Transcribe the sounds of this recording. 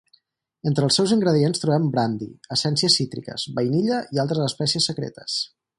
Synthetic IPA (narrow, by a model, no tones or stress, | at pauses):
ent̪ɾəlˠsɛwziŋɡɾəðienst̪ɾuβɛmbɾand̪ḭəsɛnsiəsit̪ɾḭkə̰zβəjniʎəʔialˠt̪ɾəzəspɛsiəsːəkɾḛt̪ə̥s